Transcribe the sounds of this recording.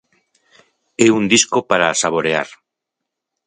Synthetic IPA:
eund̪iskopaɾasaβ̞oɾea̰ɾ

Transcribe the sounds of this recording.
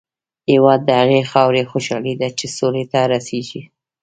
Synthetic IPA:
hewɑd̪̚ːəhaɣexɑwɾexoʃɑlid̪at͡ʃesolet̪aɾaseʒi

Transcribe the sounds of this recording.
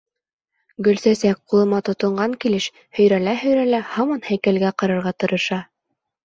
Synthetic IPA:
ɡɵ̆lsæsæk̚qulˠɤ̆mɑt̪ŏt̪ŏɴɢɑŋkilɘʃ | hɵ̆jɾælæɦɵ̆jɾælæhɑmɑnhæjkælɡæqɑ̆ɾɤ̆ɾʁɑt̪ɤ̆ɾɤ̆ʃɑ

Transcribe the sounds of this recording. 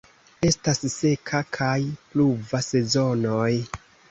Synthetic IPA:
e̞stasse̞kʰakʰajpluvase̞zo̞no̞j

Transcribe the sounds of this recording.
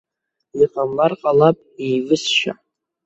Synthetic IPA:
iqʼamlarqʼalapʼivɨsʃa̰

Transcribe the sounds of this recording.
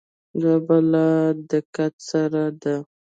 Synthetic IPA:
zabalad̪əkat̪saɾad̪a

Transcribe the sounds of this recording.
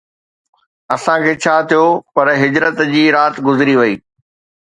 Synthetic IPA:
ɐsãkʰeːt͡ɕʰaːt̪ʰijopɐɾɦɪd͡ʑɾət̪d͡ʑiːɾaːt̪ɡʊzɾiʋɐiː

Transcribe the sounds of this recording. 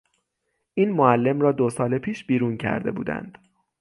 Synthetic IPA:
ʔiːnmoælːe̞mrɒːd̪osɒːlepʰiːʃbiːɾuːncʰæ̰ɾd̪e̞̰bṵːd̪æ̰nd̪̥

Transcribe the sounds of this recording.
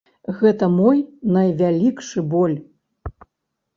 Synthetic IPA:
ɣɛt̪ɐmɔjnɐjvʲalʲikʂɨbɔlʲ

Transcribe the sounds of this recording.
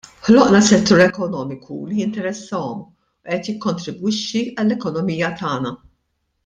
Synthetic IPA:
ħlɔʔnɐsɛt̪ːuːɾɛkɔnɔːmɪkʰulijɪnt̪ɛɾɛsːɐɔm | uʔɛt̪jɪkːɔnt̪ɾɪbwɪʃːiɐlːɛkɔnɔmiːjɐt̪ɐːnɐ

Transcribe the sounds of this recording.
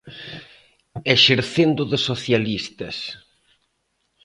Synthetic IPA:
eʃeɾθend̪ʊðɪsoθjalist̪ɐs

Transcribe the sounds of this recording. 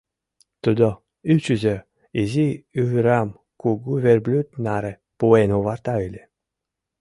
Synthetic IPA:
t̪ud̪ɔ | yt͡ʃyzʲe | iziyɦɾam | kuɡuverblʲyt̪naɾe | puenuvart̪aylʲe

